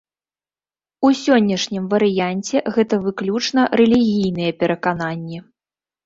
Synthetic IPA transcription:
usʲɔnʲːɐʂnʲimvɐɾɨjanʲt͡sʲɛɣɛt̪ɐvɨklʲut͡ʂnɐɾɛlʲiɣʲijn̪ɨjɐpʲɛɾɐkananʲːɛ

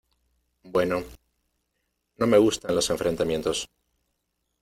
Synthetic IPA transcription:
bwe̞no̞ | no̞me̞ɣ̞ust̪anlo̞se̞ɱfɾʔe̞nt̪amje̞nt̪o̞s

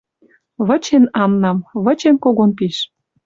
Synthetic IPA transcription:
βə̆t͡ɕenɑmnɑmβə̆t͡ɕenkoɣonpiʃ

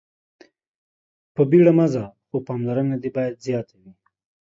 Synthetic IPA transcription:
pəbiɽamazaxopɑmlaɾənad̪ebɑjad̪zjɑt̪ʰawi

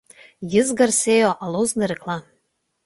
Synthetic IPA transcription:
jɪzɡarsejoʔalˠowznɨɾɨkʰlˠa

